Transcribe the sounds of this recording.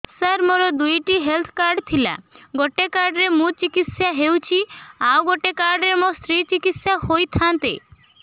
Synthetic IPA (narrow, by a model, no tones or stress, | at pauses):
saɾmoɾɔd̪ujʈiɦelt̪ʰkaɾɖt̪ʰila̰ɡoʈekaɾɖɾemũt͡ʃikit̪sjaɦewt͡ʃʰiawɡoʈekaɾɖɾemost̪ɾit͡ʃikit̪sjaɦojt̪ʰant̪ḛ